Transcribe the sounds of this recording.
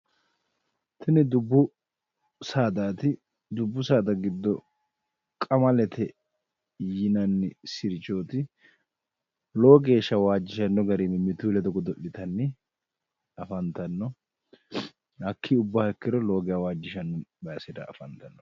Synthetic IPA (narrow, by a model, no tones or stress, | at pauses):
t̪ʰɐnɪd̪ʊbːʊ | saːd̪aːt̪ɪ | d̪ʊbːʊsaːd̪ɐɡɪd̪ːɔ | kʼɐmɐlɛt̪ʰɛ | jɪnɐnːɪsɪɾt͡ʃoːt̪ɪ | lo̞ːɡeːʃɐwaːd͡ʒːɪʃɐnːɔɡɐɾimɛmɪt̪uːlɛd̪ɔɡɔd̪ɔʔːɪt̪ɐnːɪ | ɐfɐnt̪ɐnːɔ | hɐkːiʊbːahɛkːɪɾɔlo̞ːɡɛjawaːd͡ʒːɪʃɐnːɔbɐjsɪd̪ɐ̰ɐfɐnt̪ɐnːɔ